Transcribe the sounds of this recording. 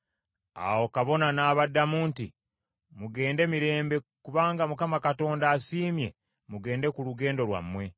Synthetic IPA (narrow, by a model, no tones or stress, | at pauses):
a̰wo̞kaβo̞nanaːβadːamuːnti | muɡe̞ːnde̞miɾe̞ːmbe̞kuβaːŋɡamukamakato̞ːndaːsiːmje̞̰ | muɡe̞ːnde̞kuluɡe̞ːndo̞lwa̰mːwe̞